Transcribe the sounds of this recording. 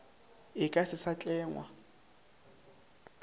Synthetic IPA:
ɪkʼasɪsat͡ɬʼɛːŋwa̰

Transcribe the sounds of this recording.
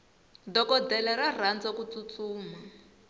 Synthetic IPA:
dɔkɔdɛlɛɾar̤and͡zɔkut͡sut͡suːma

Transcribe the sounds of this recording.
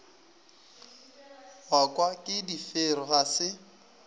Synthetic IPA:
wakʼwakʼɪdifeɾɔɣasɪ

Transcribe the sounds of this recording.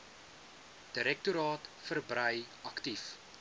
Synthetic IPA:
d̥əɾɛk̚tuɾɑːtfərbɾəj | ɐktif

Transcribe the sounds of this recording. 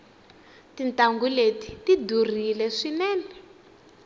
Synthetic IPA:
tintaŋɡuleti̥tidur̤ilɛʂinɛːnɛ

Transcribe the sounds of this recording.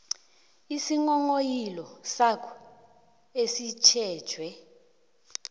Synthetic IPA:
isiŋɔŋojilɔsakʰɔ̥ | esit͡ʃʰɛːd̥ʒ̥ʱwɛ

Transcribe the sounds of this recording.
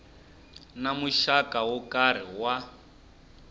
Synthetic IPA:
namuʃakawɔkaɾ̤iwa

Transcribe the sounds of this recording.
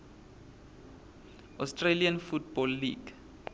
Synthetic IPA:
ʔɔstraliãnfutbɔlːḭɡ

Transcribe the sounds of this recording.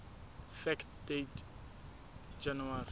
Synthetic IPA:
fɛktdet | d͡ʒanuwari

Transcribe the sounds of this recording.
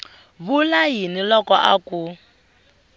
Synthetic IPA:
βulajinilɔkɔʔa̰ku

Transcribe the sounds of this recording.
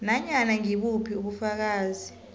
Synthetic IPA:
naɲanaŋiɓupʰiuɓufak̬aːzi

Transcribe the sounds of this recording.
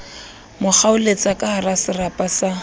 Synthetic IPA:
mʊk͡xʰaʊlet͡sʼakʼaharasɪrapʼasa

